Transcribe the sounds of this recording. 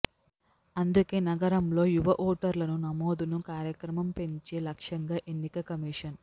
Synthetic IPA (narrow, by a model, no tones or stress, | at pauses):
ɐnd̪uke̞ːnɐɡɐɾɐmlo̞ːjuʋɐʔoːʈɐɾlɐnunɐmoːd̪unukaːɾjɐkɾɐmɐmpe̞ɲt͡ʃeːlɐkʂɐŋɡaːʔenːikɐkɐmiːʂɐn